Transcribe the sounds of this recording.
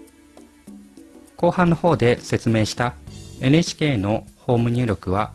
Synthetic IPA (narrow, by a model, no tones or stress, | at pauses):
ko̞ːhãnːo̞ho̞ːd̪e̞se̞t͡sɨme̞ːɕi̥t̪ae̞nɯ̟et͡ɕi̥kʲe̞ːno̞ho̞ːmɯ̟ɲ̟ɨ̟ːɾʲo̞kɯ̟βa